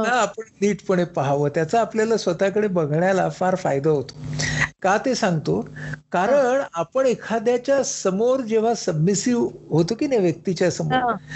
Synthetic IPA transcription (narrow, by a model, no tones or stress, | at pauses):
naːpəɳniːʈpəɳepaɦaʋət̪jat͡saːpljalasʋət̪akəɽebəɡʱɳjalafaɾfa̰jd̪aɦot̪o̥kat̪esãŋɡt̪okaɾəɳapəɳekʰad̪jat͡ɕjasəmoɾd͡ʑeʋ̤asəbmisiʋɦot̪okiːnaʋjək̚t̪it͡ɕjasəmo